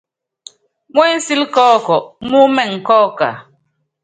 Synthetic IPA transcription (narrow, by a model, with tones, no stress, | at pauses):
ŋwɛ˦n̩˦si˦lkɔː˦kɔ˨ʔmu˦mɛ˦˨ŋ̩˨kɔ˦ka̰˨